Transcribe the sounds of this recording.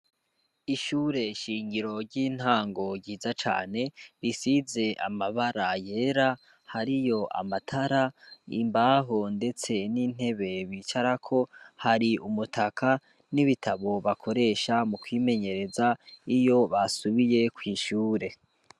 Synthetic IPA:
iʃuːɾe̞ʃiːɲɟiɾo̞ɾɟiːn̥haːŋɡo̞ɾɟiːzat͡ʃa̰ːne̞ɾisize̞ʔa̰maβaɾaje̞ɾa | haɾijo̞ʔa̰matʰaɾaḭmbaɦo̞nde̞t͡se̞niːn̥he̞βe̞βiːt͡ʃaɾakʰo̞haɾiumutʰakʰa | niβitʰaβo̞βakʰo̞ɾe̞ːʃamukwiːme̞ɲe̞ɾe̞zaijo̞βasuβije̞kwiːʃuːɾe̞

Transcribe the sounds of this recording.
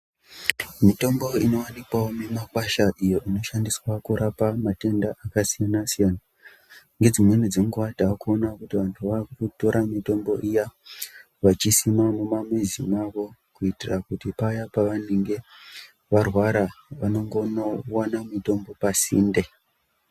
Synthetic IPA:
mito̞mbo̞ino̞wanikwawomemakwaʃaʔijo̞ʔino̞ʃandiswakuɾapamate̞ndaʔakasijanasijana | ŋɡe̞d͡zimwenud͡zeŋɡuʋadʱakuonakutiʋantʰuʋakuto̞ɾʔamito̞mbo̞ʔija | ʋat͡ʃisimamumamwezimaʋo̞kuitirakutipajapaʋaneŋɡe̞ | ʋarwaɾaʋano̞ŋɡo̞nowanamito̞mbo̞pasḭːnde

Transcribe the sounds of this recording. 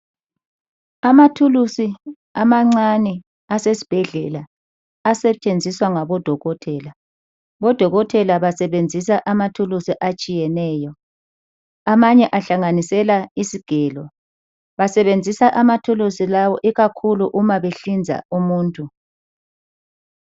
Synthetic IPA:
amatʰulusi | amaŋ͡ǀanɛ | asesi̥b̥ʱɛɮɛːla | asɛt͡ʃʼend͡zʱiswaŋaβɔd̥ʱɔɣɔtʰɛːla | βɔd̥ʱɔɣɔtʰɛlaβasɛβend͡zʱisaʔamatʰulusiʔat͡ʃʼijɛnɛːjɔ | amaɲɛʔaɬaŋanisɛlaisiɡ̥ʱɛlɔ | βasɛβend͡zʱisaʔamatʰulusilawɔʔiɣakʰuluʔumaβeɬind͡zʱa̰umuːntʼʰu

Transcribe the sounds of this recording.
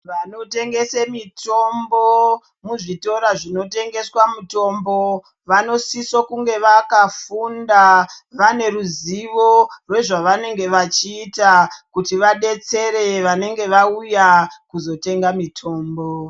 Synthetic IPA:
ʋano̞te̞ŋɡe̞semito̞mbo | muʐito̞ɾaʐino̞te̞ŋɡe̞swamuto̞mbo̞ | ʋano̞sisokuŋɡe̞ʋakafundaʋane̞ɾuziʋo̞rwe̞ʐaʋane̞ŋɡe̞ʋat͡ʃiːtakutiʋaɗe̞t͡se̞ɾe̞ʋane̞ŋɡe̞ʋaujakuzo̞te̞ŋɡamitʰo̞ːmbo

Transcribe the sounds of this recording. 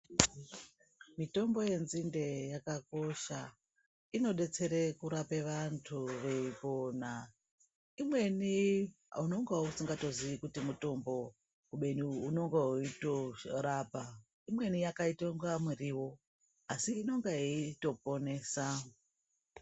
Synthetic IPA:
mito̞mbo̞je̞nzinde̞jakako̞ʃa | ino̞ɗe̞t͡se̞ɾe̞kuɾapeʋantʰuʋe̞ipo̞na | imwe̞ni | a̰uno̞ŋɡausiŋɡato̞ziʋikutimuto̞mbo̞ | kuɓe̞niuno̞ŋɡauito̞ɾaːpa | imwe̞nijakaitoŋɡamiriwo̞ | asiːno̞ŋɡaeito̞po̞ne̞ːsa

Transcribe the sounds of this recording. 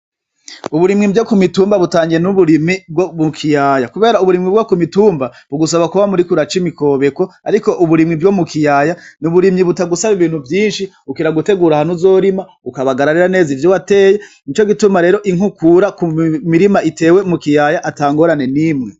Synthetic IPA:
uβuɾimŋibjokumituːmbaβutaːŋɡiɾenuβuɾimib̚ɡomukʰijaːjakuβe̞ːɾauβuɾimŋibɡokumituːmbaβ̥uɡus̬aβakuβamuɾikuɾat͡ʃimiko̞ːβe̞koaɾiko̞ʔuβuɾimŋibɡomukʰijaːjanuβuɾimɲiβutaɡusaβiβiːn̥huvjiːnʃi | ukiɾaɡute̞ɡuːɾahanuzo̞ɾima | ukaβaɡaɾaɾiɾane̞ːzivjowate̞ːjenit͡ʃo̞ɡitumaɾe̞ːɾo̞ʔiŋ̥hukuɾakumiɾimaʔite̞ːwe̞mukijajaʔataːŋɡo̞ːɾane̞nimŋe̞

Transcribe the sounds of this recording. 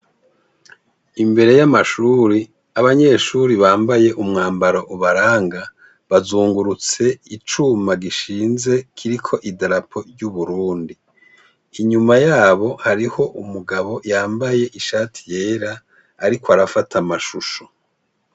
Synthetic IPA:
imbe̞ɾe̞jamaʃuːɾi | aβaɲe̞ʃuɾiβaːmbaje̞ʔumŋaːmbaɾoʔuβaɾaːŋɡa | βazuːŋɡuɾut͡se̞it͡ʃumaɡiʃiːnze̞kʰiɾikʰo̞ʔidaɾapʰo̞ɾɟuβuɾuːndiː | ɲumajaːβo̞haɾiho̞ʔumuɡaβo̞jaːmbaje̞ʔiʃaːtʰi̥je̞ːɾaː | ɾikoaɾafatʰamaʃuʃo̥

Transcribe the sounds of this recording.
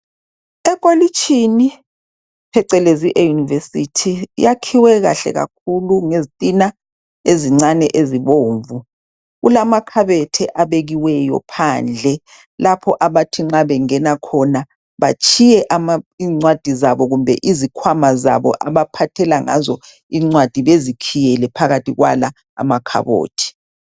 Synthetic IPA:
ɛkʼolit͡ʃʼʰini | pʰɛǀɛleziʔɛjunivesitʰḭjakʰiwɛɣa̰ɬɛ̰ɣa̰kʰuluŋezitʼina | eziŋ͡ǀanɛʔeziβoːɱvu | ɣulamakʰaβɛtʰɛʔaβeɣiwɛjɔ̰pʰaːnd͡ɮʱɛ | lapʰɔʔaβatʰiŋ͡ǁaβɛŋɛnakʰɔna | βa̰t͡ʃʰʼijɛʔamaiŋ͡ǀwad̥ʱizaβɔɣumbʱɛ̰ʔizikʰwamaza̰βɔ̰ʔaβapʰatʰɛlaŋa̰zɔ | iŋ͡ǀwad̥ʱiβezikʰijɛlɛpʰaɣatʰʼiɣwa̰la̰ː | makʰa̰βo̰ːtʰi̥

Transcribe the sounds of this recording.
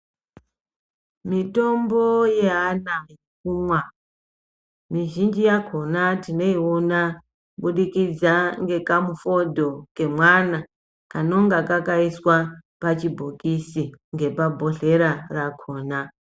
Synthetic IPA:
mito̞mbo̞je̞ɦanajek̚umwa | miʒind͡ʒijakʰo̞natine̞iona | ɓuɗikid͡zaŋɡe̞kamufo̞dʱo̞ke̞mwana | kano̞ŋɡakakaiswa | pat͡ʃibʱokisiŋɡe̞pabʱoɬe̞ɾarakʰo̞ːna

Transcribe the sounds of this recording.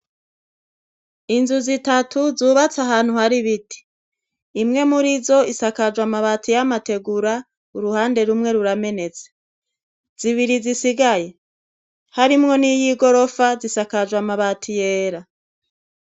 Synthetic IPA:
inzuzitatʰuzuːβat͡saɦaːn̥huhaɾiβiti̥ː | mŋe̞muɾizo̞isakad͡ʒwamaβatʰijamate̞ɡuɾa | uɾuhaːnde̞ɾumŋe̞ɾuɾame̞ne̞t͡se̥ | z̥iβiɾizisiɡaje̞ | haɾimŋo̞nijiɡo̞ɾo̞fazisakad͡ʒwamaβatʰijeːɾa

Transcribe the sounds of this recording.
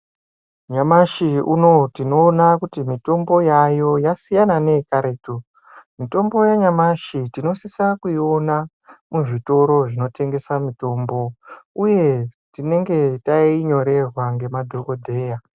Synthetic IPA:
ɲamaʃiuno̞tino̞ːnakutimito̞mbo̞jajo̞jasijanane̞kaɾeːto | mito̞mbo̞jaɲamaʃitino̞sisakuio̞na | muʐito̞ɾo̞ʐino̞te̞ŋɡe̞samito̞ːmbo̞uje̞tine̞ŋɡe̞taiɲo̞ɾe̞rwaŋɡe̞madʱoko̞dʱe̞ːja

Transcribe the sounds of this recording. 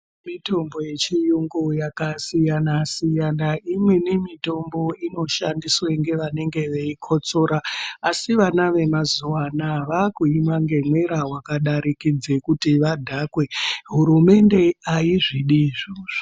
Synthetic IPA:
mito̞mbo̞je̞t͡ʃijuŋɡojakasijanasijanaimwenimito̞mbo̞ino̞ʃandisweŋɡe̞ʋane̞ŋɡe̞ʋeikʰo̞t͡so̞ɾaːsiʋanaʋe̞mazuwanaʋakuimaŋɡe̞mweɾawakaɗaɾikid͡zekutiʋadʱakwe̞ɦuɾume̞nde̞aiʐiɗiʐoʐ̥

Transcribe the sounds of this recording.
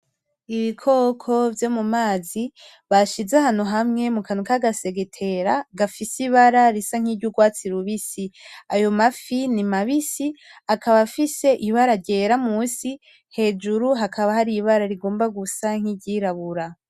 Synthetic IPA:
iβikʰoːkʰo̞vjo̞mumaːzi | βaʃizehan̥uɦamŋe̞mukʰanukaɡase̞ɡetʰe̞ɾaɡafisiβaɾaɾisaŋ̥hiːɾɟuɡwaːt͡siɾuβisiajo̞mafinimaβisiakaβafise̞ʔiβaɾaɾɟe̞ɾamusi | he̞ːd͡ʒuɾuɦakʰaβahaɾiβaɾaɾiɡoːmbaɡusaŋ̥iɟiːɾaβuɾa

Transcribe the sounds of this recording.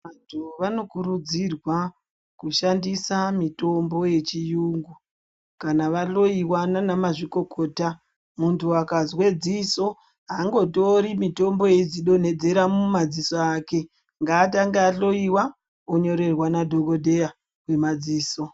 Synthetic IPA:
ʋantʰuʋano̞kuɾud͡zirwa | kuʃandisamito̞mbo̞je̞t͡ʃijuŋɡu | kanaʋaɬo̞iwananamaʐiko̞kʰoːta | muntʰuakazwe̞d͡ziso̞ | ɦaːŋɡo̞to̞ɾimito̞mbo̞jed͡ziɗo̞ne̞d͡ze̞ɾamumad͡zisoake̞ | ŋɡaːtaŋɡeaɬo̞iwa | oɲo̞ɾe̞rwanadʱo̞ɡo̞dʱe̞ja | kwe̞mad͡ziːso

